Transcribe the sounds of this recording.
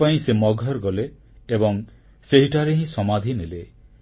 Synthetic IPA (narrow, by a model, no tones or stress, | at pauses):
aĩsemɔɡʱɔɾɡɔleː | bɔŋ | seɦiʈaɾeɦĩsɔmad̪ʱinele